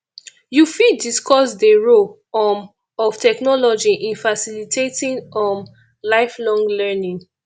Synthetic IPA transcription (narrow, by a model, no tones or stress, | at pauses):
jufidiskɔsdeɹo | ɔ | ɔftʰɛknɔlɔd͡ʒiʔĩnfasilitʰetĩnɔ̃n | laɪflɔ̃ŋlɛnĩŋ